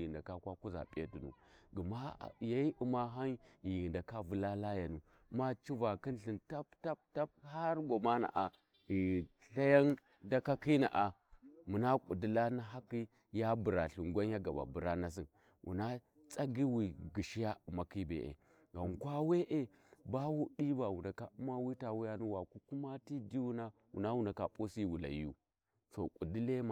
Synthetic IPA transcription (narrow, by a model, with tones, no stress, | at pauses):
ɣi˨nda˨ka˦kwa˦ku˦za̰˨pʼḛ˦tu˨nṵ˨ɡə˨ma̰˦˨ja˦i˦ʔu˨ma˦ɦa˦n˦ji˨ɣi˨nda˨ka˦vu˦la˦la˦ja˨nu˨˦ | ma˦t͡ʃi˦va˨ki˦n˦ɬi˨nta˦pta˦p̚ta˦p̚ha˦ɾɡo˨ma˦na̰˨ʔa˨ | i˨ɣ | ɬa˦ja˦n | da˦ka˦ki˦na̰˨ʔa˨mu˨na˦kʼu˨di˦la˦na˦ɦa˦ki˦ | ja˦bu˨ɾa˨ɬu˨ŋɡʷa˦n˦ja˦ɡa˨ba̰˨bu˨ɾa˦na˦s̬i˦n | wʔṵ˨na˦ | t͡sʼa˦ɡi˦wi˨ɡi˨ʃi˦ja˦u˨ma˨ki˦bḛ˨ʔḛ˨ | ɡa˨ŋ˨kʷa˦we˦ʔe˦ | ba˦wu˦ɗi˦ba˨wu˨na˨ka˨u˦ma˦wi˦ta˨wu˦ja˦nu˦wa˨ku˦ku˦ma˦ti˦di˦wu˦na˦ | wṵ˨na˦wu˨na˨ka˨pʼo˦si˦wu˨la̰˨jṵ˦ | so̰˨kʷʼu˨di˦le˦ma˨